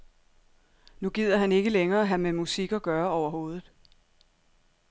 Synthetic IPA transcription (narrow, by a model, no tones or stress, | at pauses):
nuɡ̥ið̰ˠɐɦæne̝ɡ̥əleŋɐːɦæmemusiɡ̥ɒ̽ɡ̥ɶɐɒʊɐɦo̝ːð̞ˠð̞̩ˠ